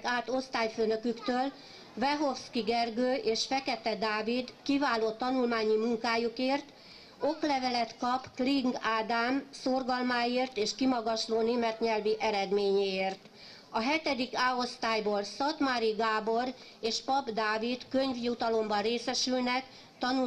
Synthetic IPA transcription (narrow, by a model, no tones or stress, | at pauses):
kaːt̪o̞st̪aːjføːnø̞kykt̪øːl | vɛɦo̞fskiɡɛrɡøːʔeːʃfɛkɛt̪ɛd̪aːvid̪kivaːloːt̪ɒnulmaːɲimuŋkaːjukeːrt̪ | o̞klɛvɛlɛt̪kɒpkliŋɡaːd̪aːmsorɡɒlmaːjeːrt̪eːʃkimɒɡɒʃloːneːmɛt̪ɲɛlviʔɛɾɛd̪meːɲeːeːrt̪ | ɒɦɛt̪ɛd̪ikaːo̞st̪aːjboːlsɒt̪maɾiɡaːbo̞r | eːʃpɒbd̪aːvid̪køɲvjut̪ɒlo̞mbɒreːsɛʃylnɛk | t̪ɒnu